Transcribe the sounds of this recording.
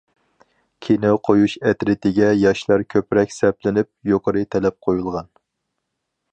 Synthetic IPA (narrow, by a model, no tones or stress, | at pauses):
kʲʰenɪqʰojuʃɛt̪ɾɪt̪ʰɪɡʲɛjɑʃlˠɑɾkʲʰøpɾɛkʲsɛplɪnɪp̚joqʰəɾɨt̪ʰɛlɛp̚qʰojulˠʁɑn